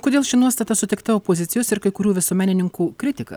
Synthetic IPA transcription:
koːd̪ʲeːlˠʃʲɪnuɔst̪ɐt̪ɐsʊt̪ʲɛɪkt̪ɐoːpoːzʲɪt̪sʲɪjoːsɪɾkɐɪkʊɾʲuːʋʲɪsuɔmʲæːnʲɪnʲɪŋkuːkɾʲɪt̪ʲɪkɐ̰

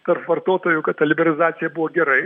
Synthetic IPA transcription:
t̪ɐrpʋɐrt̪oːt̪oːjʊkɐtt̪ɐlʲɪbʲɛɾɐlʲɪzɑːt̪sʲɪjɛbʊʋoːɡʲɛɾɐɪ

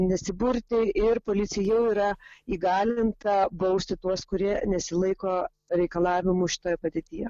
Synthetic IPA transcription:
nʲɛsʲɪbʊɾʲt̪ʲɪɪrpoːlʲɪt͡s̪ʲɪjɛjɛʊiːɾɐiːɡɑːlʲɪnt̪ɐbɐʊsʲt̪ʲɪt̪uɔskʊɾʲiɛnʲɛsʲɪlˠɐɪkoː | ɾʲɛɪkɐlˠɑːʋʲɪmʊʃʲɪ̥t̪oːjɛpɐd̪ʲeːt̪ʲiːjɛ

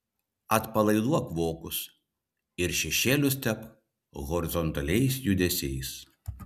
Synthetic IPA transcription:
ɐt̪pɐlˠɐɪd̪uɐkʋoːkʊs | ɪɾʃʲɛʃʲeːlʲʊst̪ʲɛp | ɣɔɾʲɪzɔnt̪ɐlʲɛɪsjʊd̪ʲɛsʲɛɪs

